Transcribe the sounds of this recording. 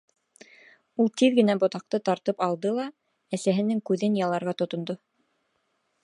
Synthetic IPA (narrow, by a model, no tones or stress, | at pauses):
ulˠt̪iðɡɘ̆næbŏt̪ɑq̚t̪ɤt̪ɑɾt̪ɤpɑlˠd̪ɤlˠɑ | æsæɦɘ̆nɘŋkʉðɘnjɑlˠɑɾʁɑt̪ŏt̪ŏnd̪o